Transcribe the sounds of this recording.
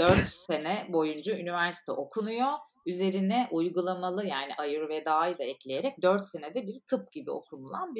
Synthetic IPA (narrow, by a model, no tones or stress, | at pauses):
d̪̥øɾt̪se̞nɛbo̞jund͡ʒuynivæɾsi̥t̪ʰɛ̰ʔokʰunujo | yze̞ɾinɛʔujɡulˠamalˠɯjaːniʔajɯɾved̪aːɯd̪aɛclʲe̞jeɾɛc̚d̪øɾt̪se̞ned̪ɛbiɾt̪ʰɯp̚ɟibio̞̰kʰunulˠanbi